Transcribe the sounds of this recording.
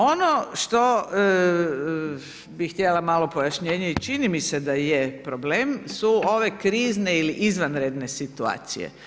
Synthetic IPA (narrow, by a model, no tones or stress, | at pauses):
onoʃt̪o̞ | bixt̪jelamalo̞pojaʃɲeːɲeit͡ʃinimised̪ajepɾobleːmsuo̞ʋe̞kɾiːzne̞iliʔizʋanɾed̪nesit̪ua̰ːt̪sḭjḛ